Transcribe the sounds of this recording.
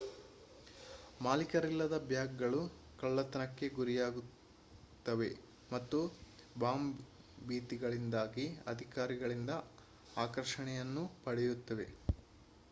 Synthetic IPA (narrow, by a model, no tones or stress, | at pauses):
maːlikɐɾilːɐd̪ɐbjaːɡɡɐɭu | kɐɭːɐt̪ɐnɐkːe̞ɡuɾijaːɡu | t̪ːɐʋe̞̰ | mɐt̪ːubaːm | biːt̪iɡɐɭind̪aːɡiɐ̰d̪ʱikaːɾiɡɐɭind̪ɐ | aːkɐɾʂɐɳɛjɐnːupɐɽɛjut̪ːɐʋe̞